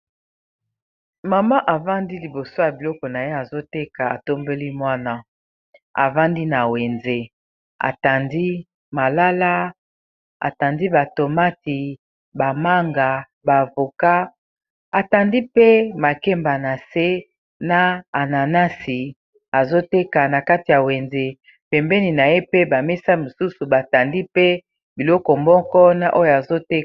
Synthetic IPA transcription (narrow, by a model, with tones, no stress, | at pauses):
ma˨ma˦ʔa˨va˦ndi˦li˨bo˨so˦ja˨bi˨lɔ˦kɔ˨na˨je˦a˨zo˦te˦ka˨a̰˨to˦mbe˦li˦mwa˦na˦ | a̰˨va˦ndi˦na˨we˨nze˦ | a̰˨ta˨ndi˦ | ma˨la˦la˦ | a̰˨ta˨ndi˦ba˨to˨ma˦ti˨ | ba˨ma˦ŋɡa˨ | ba˨vo˨ka˦ | a˨ta˨ndi˦pe˦ma˨ke˦mba˨na˨se˦ | na˦a˨na˨na˦si˨ | a˨zo˦te˦ka˨na˨ka˦ti˨ja˨we˨nze˨ | pɛ˨mbɛ˦ni˨na˨je˦pe˦ba˨me˦sa˦mo˨su˦su˨ba˨ta˨ndi˦pe˦ | bi˨lɔ˦kɔ˨mɔ˦kɔ˦na˨ʔo˦jo˨a˨zo˦te˦